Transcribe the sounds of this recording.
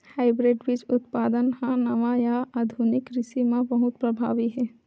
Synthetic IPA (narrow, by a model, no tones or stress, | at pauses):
haːɪbɾeɖʋɪt͡ʃʊt̪paːd̪ənhãnɐʋajaaːd̪ʱunɪkɾɪsimãbɐɦʊt̪pɾɐbʱaːʋiɦɛː